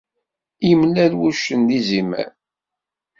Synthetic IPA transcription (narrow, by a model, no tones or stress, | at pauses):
imlælwuʃənd̪izimæ̰n